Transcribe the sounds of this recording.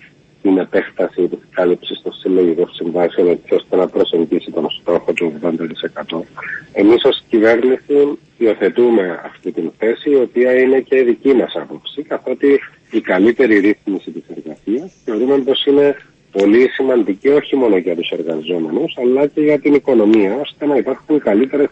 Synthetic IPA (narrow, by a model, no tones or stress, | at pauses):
t̪ine̞pe̞xt̪ɐsit̪iskɐlipsist̪o̞silːoʝiko̞ssiɱvɐsio̞ne̞sio̞st̪e̞nɐpɾo̞se̞ɲɟisit̪o̞nst̪o̞xo̞t̪uoɣðo̞nd̪ɐt̪i̥se̞kɐt̪o̞e̞miso̞scive̞ɾnisi | io̞θe̞t̪ume̞ɐ̰ft̪it̪inθe̞siːo̞piɐine̞ce̞iðicimɐsɐpo̞psikɐθot̪iː | kɐlit̪e̞ɾiɾiθmisit̪ise̞ɾɣɐsiɐsθeoɾumempo̞sine̞ | po̞lisimɐnd̪icio̞çimo̞no̞ʝɐt̪use̞ɾɣɐzo̞me̞nusɐlːɐce̞ʝɐt̪iniko̞no̞miɐo̞st̪e̞nɐipɐɾxunkɐlit̪e̞ɾes